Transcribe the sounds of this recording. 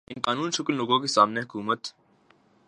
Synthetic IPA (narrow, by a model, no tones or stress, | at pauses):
ɪ̃nqaːnuːnʃʊklloːɡõkesaːmneɦʊkuːmət̪